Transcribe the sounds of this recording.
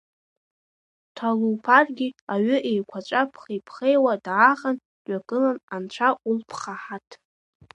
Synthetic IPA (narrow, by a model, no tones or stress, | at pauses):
tʰaluːpʰarɡʲiaɥʏʔejkʷʰat͡ʃʷʼapʰχijpʰχejwadːχan | dɥakʼɨlanant͡ʃʷʰaʔulpʰχaħatʰ